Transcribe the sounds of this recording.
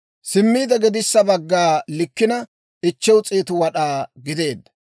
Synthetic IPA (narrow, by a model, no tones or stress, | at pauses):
sɪmːiːd̪ɐɡɪd̪ɪsːɐbɐɡːaːlɪkːɪnɐ | ʔɪt͡ʃːɛwt͡sʼeːt̪ʊwɐɗaːɡɪd̪e̞ːd̪ːɐ̥